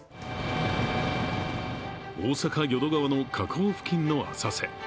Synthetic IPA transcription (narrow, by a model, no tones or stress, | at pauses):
oːsakaɡʲo̞d̪o̞ɡaβano̞kʰakʰoːɸɯ̟̥kʲĩnːo̞a̰sase̞̰